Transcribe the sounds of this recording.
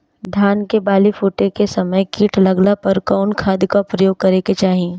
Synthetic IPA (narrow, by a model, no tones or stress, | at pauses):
d̪ʱaːnkebaːlifuːʈekesɐməjkiːʈlɐɡlapɐɾkaːnkʰaːd̪kaʊpɾɐjoːɡ̚kɐɾeket͡ʃaːɦiiẽ